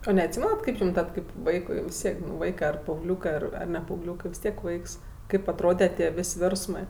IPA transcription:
oː nʲɛɐtʲˈsʲiːmʲɛnɐt ˈkɐɪp jʊm ˈtɐt kɐɪp ˈʋɐɪkʊɪ ʋʲɪs ˈtʲiɛk nʊ ˈʋɐɪkɜ ɐr pɐɐʊɡˈlʲuːkɜ ɐr ɐr nʲɛ pɐɐʊɡˈlʲuːkɜ ʋʲɪs ˈtʲiɛk ˈʋɐɪks ˈkɐɪp ɐtˈroːdʲɛ tʲiɛ ˈʋʲeːsʲ ˈʋʲeːrsmɜ

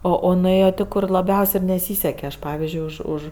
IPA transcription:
ˈoː oː nʊˈeːjoː ˈtʲeː ˈkʊr lˠɐˈbʲɛʊsʲ ɪ nʲɛˈsʲiːsʲɛkʲɛ ˈɐʃ ˈpɑːʋʲɪzʲd͡ʒʲʊɪ ˈʊʃ ˈʊʃ

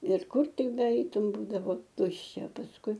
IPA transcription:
ɪr ˈkʊr ˈtʲɪk bʲɛˈɛɪtʊm ˈbuːdɐʋoː ˈtʊʃʲt͡ʃʲɛ pɐsˈkʊɪ

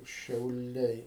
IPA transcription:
ʃʲɛʊˈlʲɛɪ

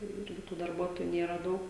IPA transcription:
tɐɪ jɛʊ ˈɪrʲɡʲɪ tuː dɐrˈbuɔtoːjʊ ˈnʲeːrɐ ˈdɐʊk

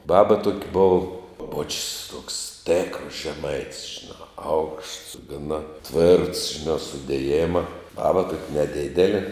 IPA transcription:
ˈbɑːbɐ tuɔkʲ boːw oː boːt͡ʃʲsʲ toːks ˈtʲeːkrɐs ʒʲɛˈmɐɪtʲsʲ ʒʲɪˈnɑː ɐʊkʃts ɡɐˈnɐ tʲʋʲeːrts ʒʲɪˈnɑː sʊdʲeːˈjeːmɐ ˈbɑːbɐ tuɔkʲ nʲɛˈdʲɪdʲɛlʲeː

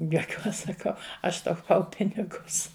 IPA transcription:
juɔˈkʲuɔs sɐˈkɐʊ ˈɐʃ tɐʊˈpɐʊ ˈpʲɪnʲɪɡʊs

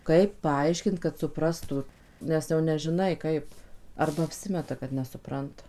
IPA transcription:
ˈkɐɪp ˈpɐɐɪʃʲkʲɪnt kɐt sʊˈprɑːstʊ ˈnʲɛs jɛʊ nʲɛʒʲɪˈnɐɪ ˈkɐɪp ˈɐrbɐ ɐpʲˈsʲɪmʲɛtɐ kɐt nʲɛsʊˈprɐntɐ

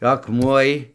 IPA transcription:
ɐkˈmuɔj

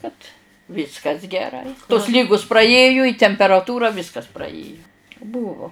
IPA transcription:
kɐt ˈʋʲɪskɐs ɡʲɛˈrɐɪ toːs ˈlʲiːɡʊs prɐˈeːjʊ ɪ tʲɛmʲpʲɛrɐˈtuːrɐ ˈʋʲiːskɐs prɐˈeːjʊ ˈbuːʋoː

